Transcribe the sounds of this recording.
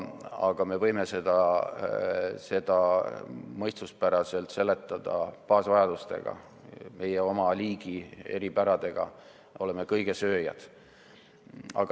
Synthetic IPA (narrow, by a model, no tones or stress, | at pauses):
ɑɡ̥ɑme̞vɤjme̞se̞d̪̥ɑ | se̞d̪̥ɑ | mɤjst̪luspæɾɑse̞lt̪se̞lːet̪ːˑɑd̪̥ɑ̰pɑːsvɑjɑd̪̥ust̪e̞̰ɡ̥ɑ̰ | me̞jeo̞mɑliːɡ̥ie̞̰ɾibæɾɑd̪̥e̞ɡ̥ɑ̰ | o̞le̞me̞kɤjɡ̥e̞sø̞ːjɑ̰d̪̥ | ɑ̰ɡ